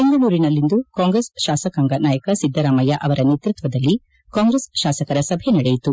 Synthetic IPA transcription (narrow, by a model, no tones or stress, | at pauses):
e̞ŋɡɐɭuːɾinɐlːind̪ukaːŋɡɾesʃaːsɐkaːŋɡɐnaːjɐkɐsid̪ʱːɐɾaːmɐjɐʔɐʋɐɾɐneːt̪ɾut̪ʋɐd̪ɐlːi | kaːŋɡɾesʃaːsɐkɐɾɐsɐbʱenɐɽejit̪u